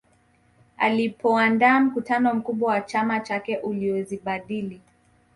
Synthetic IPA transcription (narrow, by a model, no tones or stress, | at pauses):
a̰lipʰɔandaːm̩kutanɔm̩kuɓwawat͡ʃamat͡ʃakɛʔuliɔziɓaɗili